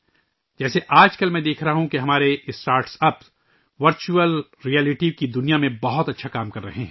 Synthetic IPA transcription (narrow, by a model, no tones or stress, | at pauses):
d͡ʒɛːseʔaːd͡ʒkɐlmɛ̃d̪eːkʰɾɐɦaɦũkeɦɐmaːɾeɪsʈaːɾʈsɐp | ʋɐɾt͡ʃuəl | ɾiɛːlɪʈikid̪ʊnijamẽbɐɦʊt̪ɐtːʃʰakaːmkɐɾːɐɦeɦɛ̃